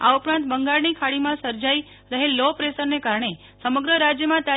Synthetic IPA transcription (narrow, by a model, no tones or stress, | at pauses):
a̰upɾãnt̪̚bəŋɡaɭnikʰaɭimãsəɾd͡ʒai | ɾəɦelːopɾesəɾnekaɾɳ̃e | səməɡɾəɾad͡ʒjəmãt̪a